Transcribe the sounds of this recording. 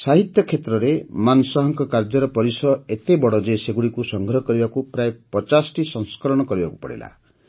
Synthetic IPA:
saɦit̪jɔkʰːet̪ɾɔɾemansɔɦɔŋkɔkaɾd͡ʒɔɾɔpɔɾisɔet̪ebɔɽɔd͡ʒeseɡuɽikusɔŋɡʱɾɔɦɔkɔɾibakupɾaepɔt͡ʃasʈisɔŋskɔɾɔɽ̃ɔkɔɾibakupɔ̰ɽḭla̰

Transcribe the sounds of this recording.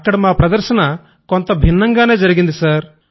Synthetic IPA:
kːɐɽmɐapɾɐd̪ɐɾsɐnɐ | kont̪ɐbʱinːɐŋɡaneːd͡ʒɐɾiɡind̪isɐɾ

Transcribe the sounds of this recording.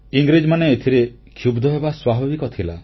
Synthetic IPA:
iŋɡɾid͡ʒmaneːt̪ʰiɾe | kʰjubd̪ʱɔɦebaswabʱibikɔt̪ʰila

